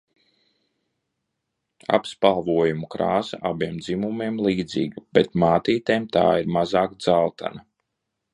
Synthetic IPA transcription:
a̰pspalˠvuɔjumukɾaːsa̰ʔabiɛmd̪zimumiɛmlˠiːd̪zḭːɡb̥et̪̚maːt̪iːt̪eːmt̪a̰ːiɾmazaːkd̪zalˠt̪a̰na

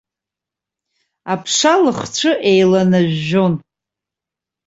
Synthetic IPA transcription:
apʰʂalɨχt͡ʃʷʰɨʔejlanaʒːo̞n

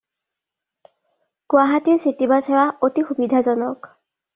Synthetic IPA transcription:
kʊaɦatiʊsitibasɛwaotixubidʱazɔnɔk

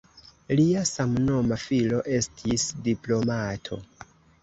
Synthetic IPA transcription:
liasamno̞mafilo̞ʔe̞stʰisdiplo̞matʰo̞̰

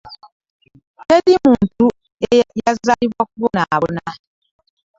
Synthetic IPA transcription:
kedimuntu | ejazalibwɔkuβɔnaβuna

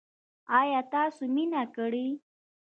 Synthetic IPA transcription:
ɑjɑt̪ɑsominakəɽi

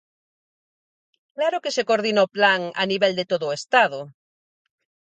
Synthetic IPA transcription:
klaɾoke̞se̞koɾðinoplaŋa̰niβeld̪et̪oðoest̪að̞o

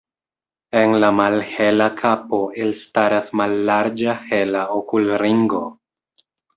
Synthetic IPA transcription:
e̞nlamalhe̞lakʰapo̞elstaɾasmalːaɾd͡ʒahe̞laokulɾiŋɡo̞

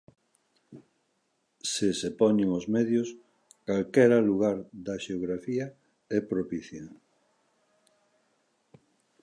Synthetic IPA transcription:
sesepɔɲeŋozmɛðjos | kalkɛɾaluɣaɾðɐʃeoɣɾafiɐ | ɛpɾopiθjɐ

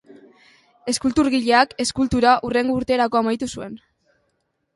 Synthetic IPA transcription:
e̞skult̪uɾɣiʎe̞ake̞skult̪uɾaʔure̞ŋɡo̞uɾt̪e̞ːɾakoamajt̪usue̞n

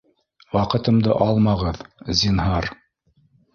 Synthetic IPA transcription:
wɑqɤ̆t̪ɤ̆md̪ɤ̰ʔɑlˠmɑʁɤðzinɦɑɾ

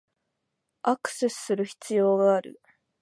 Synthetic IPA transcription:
akɯ̟̥se̞sɨ̥sɨɾɯ̟çi̥t͡sɨjo̞ːɡaːɾɯ̰

